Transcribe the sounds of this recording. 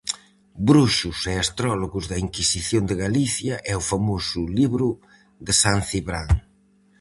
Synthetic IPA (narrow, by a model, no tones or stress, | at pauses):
bɾuʃʊseast̪ɾɔloɣʊzðɐiŋkisiθjond̪ɪɣaliθjɐʔɛʊfamosʊliβɾʊ | ðɪsanθiβɾaŋ